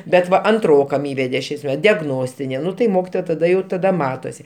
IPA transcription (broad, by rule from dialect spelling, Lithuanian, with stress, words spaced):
bʲɛt ˈʋɐ ɐnˈtroːkɐm ˈiːʋʲɛdʲɛ ˈʃʲɛɪs mʲɛ dʲɛɡˈnoːsʲtʲɪnʲɪ ˈnʊ tɐɪ ˈmoːkʲɪtoːjɛ tɐˈdɐ ˈjɛʊ tɐˈdɐ ˈmɑːtoːsʲɪ